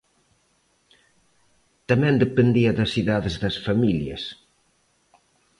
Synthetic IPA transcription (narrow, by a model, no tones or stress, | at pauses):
t̪ɐmɛ̃nd̪epend̪iɐðɐsiðaðezðɐsfɐmiljɐ̰s